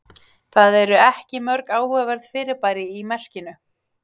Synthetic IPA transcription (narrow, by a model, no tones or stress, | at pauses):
θaðɛɾʏɛhcɪmœɾkaːwhœvɛɾð̥fɪːɾɪɾpaːjɾɪimɛr̥cɪnʏ